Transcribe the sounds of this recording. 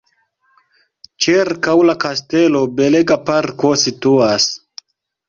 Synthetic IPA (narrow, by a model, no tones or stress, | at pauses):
t͡ʃiɾkawlakaste̞lo̞be̞leɡapaɾko̞situas